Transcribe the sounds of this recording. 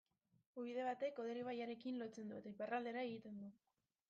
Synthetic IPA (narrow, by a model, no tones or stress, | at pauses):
uβiðe̞β̞at̪e̞koð̞eɾiβ̞ajaɾe̞kinlo̞t͡se̞nd̪uet̪aiparald̪e̞ɾae̞ɣit̪e̞nd̪u